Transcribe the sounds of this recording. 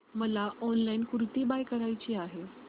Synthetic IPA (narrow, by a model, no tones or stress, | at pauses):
məlaʔɔnlainkuɾt̪iːbajkəɾajt͡ɕiːaɦe